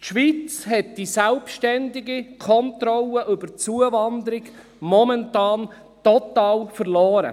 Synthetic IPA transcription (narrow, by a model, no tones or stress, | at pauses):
ʃʋiːt͡shɛt̚d̥isɛlpʃtɛndɪɡikʰɔnt̪ɾɔlːəʔʏbət͡suəvɑnd̪əɾɪɡ | mɔmɛntɑːn | tɔt̪ɑːlfəɾlɔːɾə̰